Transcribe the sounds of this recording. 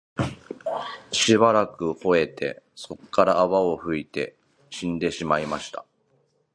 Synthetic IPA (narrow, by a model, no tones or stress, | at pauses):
ɕibaɾakɯ̟ho̞e̞t̪e̞̰ | so̞kːaɾaːβao̞ɸɯ̟it̪e̞̰ | ɕĩnd̪e̞ɕimaimaɕi̥t̪a̰